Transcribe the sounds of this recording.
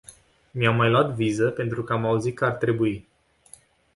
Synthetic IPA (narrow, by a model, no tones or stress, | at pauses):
miamːajluat̪vizəpe̞nt̪ɾukəamauzit̪̚kəart̪ɾe̞bui